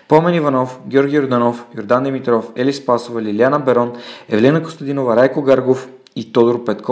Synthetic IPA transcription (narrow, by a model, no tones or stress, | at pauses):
pomɛnivɐnɔfɡʲoɾɡʲijoɾd̪anofjoɾd̪and̪ɛmit̪ɾɔfɛlispasovəliljanəbɛɾɔnɛvlɛnəko̥st̪ɐd̪inovəɾajkoɡaɾɡof | it̪od̪oɾpɛt̪kʰɔ